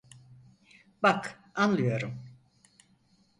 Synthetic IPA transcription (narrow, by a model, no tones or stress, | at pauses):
bak | anlˠɯjo̞ɾum